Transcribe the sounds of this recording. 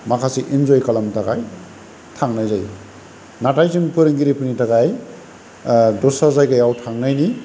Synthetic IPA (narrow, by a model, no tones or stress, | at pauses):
makʰasiʔind͡ʒojkalamtʰaɡaj | tʰaŋnajzaj | natajzɯŋpɯɾɯŋɡiɾipʰɯnitaɡaj | dɔsazajɡajawtʰaŋnajni